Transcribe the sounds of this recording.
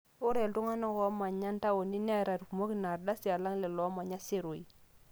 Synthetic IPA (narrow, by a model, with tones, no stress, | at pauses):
u˦ɾɛ˨ltu˦ŋa˦na˦kɔ˦ma˨ɲa˦nta˦wo˨ni˦nɛ˦ɾa˨ɾku˨mo˦ki˦na˨ɾda˦si˨a˨la˦ŋlɛ˨lɔ˨˦ma˨ɲa˦se˦˨ɾo˨i˨